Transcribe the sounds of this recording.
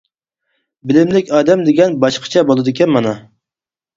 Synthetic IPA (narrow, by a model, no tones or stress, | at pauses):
bɪlɪmlɪkʲɑːd̪ɛmd̪ɪɡʲɛnbɑʃqʰə̥t͡ʃʰɛbolˠɨd̪ɪkʲɛnmɑnɑ